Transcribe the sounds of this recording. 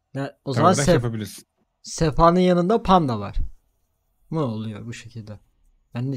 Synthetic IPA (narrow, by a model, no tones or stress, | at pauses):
jaozamansɛpabilʲiɾs | sefaːnɯnjanɯnd̪apʰand̪ava̰ɾ̥ | munolˠujo̞̰ɾbuʃe̞cʰilʲd̪ɛ | bænːi